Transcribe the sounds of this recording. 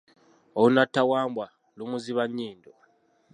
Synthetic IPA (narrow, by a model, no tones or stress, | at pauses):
oβunatːawaːmbwa | lumuziβaɲːiːndo